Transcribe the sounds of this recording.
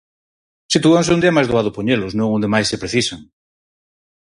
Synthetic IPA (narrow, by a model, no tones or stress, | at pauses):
sit̪uanseund̪iamajzðoaðʊpoɲeloznõŋõnd̪emajsepɾeθisaŋ